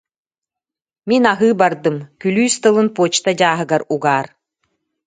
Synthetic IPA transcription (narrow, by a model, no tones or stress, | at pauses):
minaɦɯːbɐrd̪ɯmkʲylʲyːst̪ɨ̆lˠɨnpoːt͡ʃt̪adʲaːɦɯ̆ɡɐɾuɡaːɾ